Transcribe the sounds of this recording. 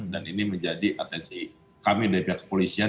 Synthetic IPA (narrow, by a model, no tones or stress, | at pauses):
daniniməɲd͡ʒadiʔat̪ɛnsi | kamidaɾipiakə̥polisia